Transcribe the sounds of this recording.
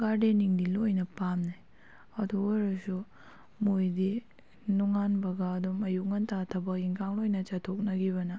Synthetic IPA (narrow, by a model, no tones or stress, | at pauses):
ɡaɾdeniŋdilojnɐpamne | ɐdooɾɐsu | mojdi | nuŋanbɐɡɐːdumɐjuk̚ŋɐntʰatʰɐbɐk̚iŋkʰaŋlojnɐt͡ʃɐtʰok̚nɐɡibɐnɐ